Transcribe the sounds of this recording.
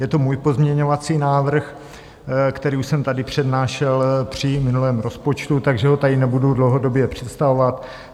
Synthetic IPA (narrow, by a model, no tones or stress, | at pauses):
jɛt̪omuːjpo̞zmɲɛɲo̞vat͡siːnaːvr̩x | kt̪ɛɾiːuʃsɛmt̪adɪpr̝̥ɛdnaːʃɛlpr̝̥ɪmɪnulɛːmɾo̞spo̞t͡ʃt̪ut̪aɡʒɛɦo̞t̪adɪnɛbududlowɦodo̞bjɛpr̝̥ɛt̪st̪avovat̪